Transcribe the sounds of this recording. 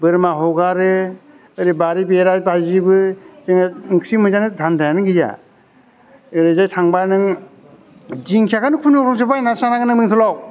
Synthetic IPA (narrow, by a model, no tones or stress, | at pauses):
bɯɾmaɦɔɡaɾɯ | ɯɾibaɾibeɾajbajzibɯd͡ʒɯŋaŋksimɯzanɯdʱandʰajanɯŋɡiza̰ | ɯɾɯzajtʰaŋbajnɯŋ | d͡ʒiŋkʰjaɡanɯkʰunukɾɔŋs̬ɯbajnasanaɡanɯmiŋt̪ʰɔlaw